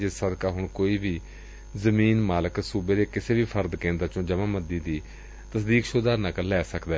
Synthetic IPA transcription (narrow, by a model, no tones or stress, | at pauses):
d͡ʒɪssəd̪kaːɦʊɳkoːiːbiː | zəmiːnmaːləksuːbeːd̪eːkɪseːʋiːpʰəɾd̪kẽːnd̪aːt͡ʃõːd͡ʒəʋãːməd̪iːd̪iː | t̪əsd̪iːkʃoːd̪aːɾnəkəlɛːsəkd̪ɛː